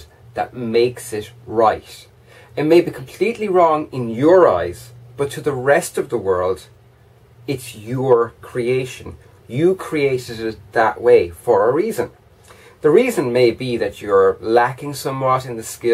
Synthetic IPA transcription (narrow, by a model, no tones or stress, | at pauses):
ðə̰t̚meɪksɪtɹaɪt | ɨt̚meɪbikʰə̃m̩pʰl̥itˡliɹɔ̃ŋɪ̃njə˞a̰ɪz̥b̥ʌtʰəðəɹɛstʌvðəwɜ˞lˠd | ɪtsjə˞kʰɹ̥ieɪʃə̃n | jəkʰɹ̥ieɪɾɪɾt̪ðəʔweɪfə˞əɹiːzə̃n | ðəɹiːzə̃nmeɪbiðɨt͡ʃə˞lækɪ̃ŋsʌ̃mwʌɾɨ̃nðəskɪ